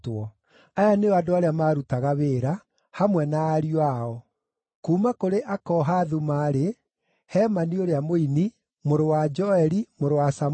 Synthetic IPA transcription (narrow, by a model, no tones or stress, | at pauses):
twɔ | ajaneɔadoaɾeamaɾutaɣaβeːɾa | hamwɛnaːɾiwaɔ | kuːmakoɾeʔakɔɦaðumaɾe | hɛːmanioɾeamoini | moɾowad͡ʒɔɛɾimoɾowasa